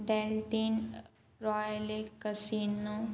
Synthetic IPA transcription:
ɖɛlʈin | ɾɔjlekəsiːno

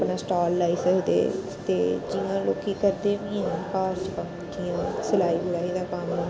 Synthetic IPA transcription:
pnaːsʈaːlːaːiːsɛɦʊd̪ḛː | t̪eːd͡ʒɪːãːloːkiːkəɾd̪eːʋĩːãkaːsd͡ʒkəmt̪ʰijãːsəlaːiːbʊlaːid̪aːkaːmõː

